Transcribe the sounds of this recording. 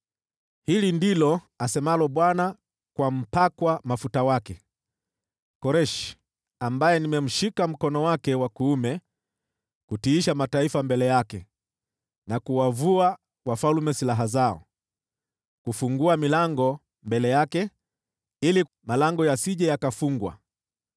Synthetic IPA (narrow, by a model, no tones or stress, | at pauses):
hilindilɔ | asɛmalɔɓwana | kwam̩pakwamafutawakɛ | kɔɾɛʃ | ambajɛnimɛm̩ʃikam̩kɔnɔwakɛwakuumɛ | kutiːʃamataifambɛlɛjakɛ | nakuwavua | wafalmɛsilaɦazaɔ̰ | kufuŋɡuamilaŋɡɔ | mbɛlɛjakɛ | ili | malaŋɡɔjasiʄɛjakafuŋɡwa̰